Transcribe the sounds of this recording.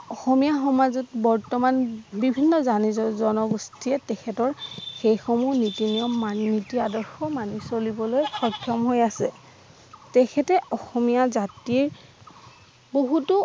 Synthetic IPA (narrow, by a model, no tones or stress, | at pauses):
ɔxɔmijaxɔmazɔtbɔɹtɔmanbibʱinːɔzanizɔzɔnɔɡustʰiɛtɛkʰɛtɔɹxejxɔmunitinijɔmːannitiadɔɹxɔmanisolibɔlojxɔkʰjɔmɦojasɛ | tɛkʰɛtɛɔxɔmijazatiɹ | boɦutʊ